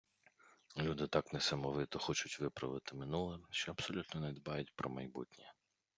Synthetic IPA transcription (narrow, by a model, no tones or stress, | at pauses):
lʲud̪ɪt̪ɑknɛsɐmɔʋɪt̪ɔxɔt͡ʃʊtʲʋɪpɾɐʋɪt̪ɪmɪnulˠɛʃt͡ʃɛɐb̥sɔlʲut̪nɔnɛd̪bɑjʊtʲpɾɔmɐjbṵtʲnʲi